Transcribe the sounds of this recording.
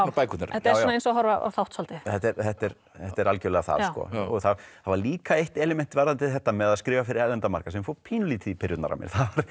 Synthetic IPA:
paːjkut̪naɾɛaanaejnsɔaɦɔɾvaa̰wθawht̪salt̪ɪθɛt̪ːɛɾθɛht̪ɛɾ | θɛht̪ɛɾalcœlɛɣaθa̰ɾskɔ̰ɔɣθaθavaɾliːkaeht̪ɪɛlɪmɛn̥t̪ɪvaɾðant̪ɪðθɛht̪ːamɛðaðskɾɪːvafɪɾɪɾɛðɛnt̪ama̰ɾ̥kasɛmfopʰiːnʏliːt̪ʰipʰɪɾjʏt̪na̰ɾa̰mɛ̰ɾ̥θavaɾ̥

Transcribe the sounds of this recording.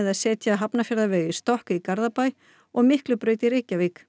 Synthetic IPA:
ɛðaðsɛːt̪jaɦapnafjaɾðavœːɣɪst̪ɔhkaikaɾðapaj | ɔɣmɪhklʏpɾœːɥt̪ɪɾeːcavɪk

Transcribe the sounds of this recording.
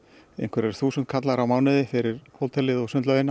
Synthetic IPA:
ḛjŋkʰvɛɾɛɾ̥θuːsʏnt̪̚kʰat̪laɾawmaːwnɪðɪfɪɾɪɾ̥howlt̪ʰɛlɪðɔɣsʏnt̪lœðɪna

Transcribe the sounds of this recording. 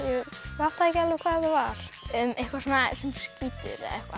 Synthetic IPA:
jɛval̥t̪aðɛcɛlːvʏkʰvaːððavaɾ̥ʏmehkvasɔnasɛmsciːt̪ɪ̰ɾ̰ɛ̰hkva̰

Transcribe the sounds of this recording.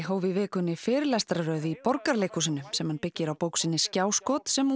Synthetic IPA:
ɦoːwvɪvɛːkʏnːɪfɪːɾɪlast̪ɾaɾœːɥðipɔɾkaɾlejkusɪnːʏmsɛmhanpɪcːɪɾawpowksɪnːɪscaːwskɔːt̪sɛm

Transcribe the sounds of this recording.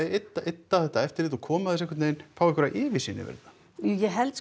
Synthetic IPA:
et̪ːaet̪ːaθɛht̪aɛft̪ɪɾiːt̪ɔkʰɔːmaðɛsɛhkʏt̪neːjnfaːwɛhkʰvɛɾaʔɪːvɪsinɪ̰vɛ̰ɾða | jujɛɦɛlt̪s

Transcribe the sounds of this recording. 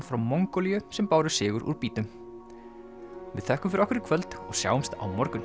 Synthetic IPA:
fɾawmɔŋkɔlijʏsɛmpaːwɾʏ̥sɪːɣʏɾʔṵɾpiːt̪ʏm | vɪðθɛhkʏmfɪɾɔhkɪɾɪkʰvœlt̪ɔɣsja̰ːwʏmst̪a̰wmɔɾkʏn

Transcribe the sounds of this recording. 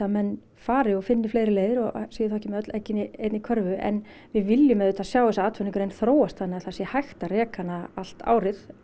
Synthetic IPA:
amɛnː | faːɾɪɔfɪnːɪfleːjɾɪleːjðɪɾɔɣsejɪθawɛcːɪmɛœt̪lɛhcːɪnːɪeːt̪nikʰœɾvʏɛ̰n | vɪðvɪljʏmɛðʏt̪ʰasjaːwðɛsaaːt̪fʏnɪŋkʏɾejnθɾoːwast̪θanːɪaθasjɛhajxt̪arɛːkanaal̥t̪a̰ːwɾɪð

